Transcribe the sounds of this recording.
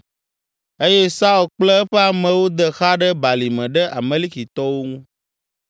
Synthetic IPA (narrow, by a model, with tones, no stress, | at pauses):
e˦jɛ˦sa˦ɔ˨lk͡plɛ˦ɸɛ˦a˨mɛ̃˨wo˦d̪ə˨xa˦ɖə˦ba˨li˨mɛ̃˨ɖə˦ʔa˨mẽ˦li˦ki˨t̪ɔ˦wo˦ŋũ˦